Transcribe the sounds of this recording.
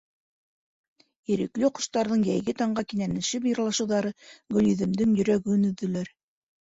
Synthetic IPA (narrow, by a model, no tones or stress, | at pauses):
iɾɘ̆klɘqŏʃt̪ɑɾðɤɴjæjɡɘt̪ɑɴɢɑkinænɘ̆ʃɘpjɤ̆ɾlˠɑʃɤ̆wðɑɾɤɡɵ̆liðɘ̆md̪ɘŋjɵ̆ɾæɡɵnɵ̆ðːɵ̆læɾ